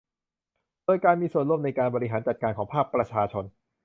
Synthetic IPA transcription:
doː˧jkaː˧nmiː˧su˨˩ənɾu˥˩˨mna˧jkaː˧nbɔː˧ɾi˦ɦaː˩˦nt͡ɕa˨˩t̪̚kaː˧nkʰɔː˩˦pʰaː˥˩k̚pɾa˧t͡ɕʰaː˧t͡ɕʰo˧n

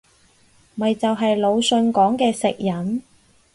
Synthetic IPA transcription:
mɐ˨jt͡sɐ˨wɦɐ˨jlo˨˧wsɵ˧nkɔː˨˥ŋkɛː˧sɪ˨k̚jɐ˨˥n

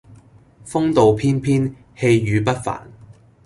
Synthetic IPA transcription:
fʊ˥ŋt̪o˨wpʰiː˥npʰiː˥n | he˧jjyː˨˧pɐ˥t̚fa̰ː˨˩n

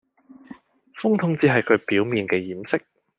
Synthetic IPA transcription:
fʊ˥ŋt̪ʰʊ˥ŋt͡siː˨˥ɦɐ˨jkʰɵ˨˧ɥpiː˨˥wmiː˨nkɛː˧jiː˨˩msɪ˥k̚

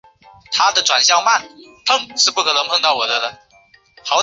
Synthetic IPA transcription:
t̪ʰa˥d̪ə˨ʈ͡ʂwa˨˩nɕjɑ˥˧ʊma˥˩n | pʰɤ˥˧ŋʂɻ̩˥˧pu˥˩kʰɤ˧˩lə˧˥ŋpʰɤ˥˧ŋt̪ɑ˥˩ʊwɔ˨˩d̪ə˧d̪ə˧ | xɑ˧˥ʊ

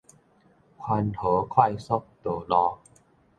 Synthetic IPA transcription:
kʰwa˧nhʰɤː˨˦kʰɔ˥˩jso˦˥k̚t̪oː˨˩lɔː˧

